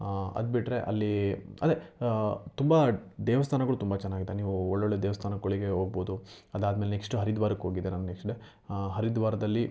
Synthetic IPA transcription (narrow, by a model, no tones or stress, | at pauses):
ɐ̰d̪biʈɾe̞ʔɐ̰lːiɐd̪e | t̪umbɐd̪eːʋɐst̪ʰaːnɐɡuɭut̪umbɐt͡ʃɛnːaːɡid̪ːeniːʋuɔɭːoɭːed̪eːʋɐst̪ʰaːnɐkːoɭiɡe̞ɦo̞ːɡboːd̪uɐd̪aːd̪meːlenekʂʈuɦɐɾid̪ʋaːɾɐkːɦo̞ːɡid̪enaːnnekʂʈɖe | ɦɐɾid̪ʋaːɾɐd̪ɐlːi